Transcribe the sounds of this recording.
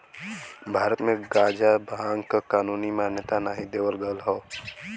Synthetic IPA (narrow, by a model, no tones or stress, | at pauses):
bʱaːɾət̪mẽɡaːd͡ʒabʱãːŋɡkkaːnuːnimaːnjət̪anaːɦid̪eːʋəlɡəlɦoː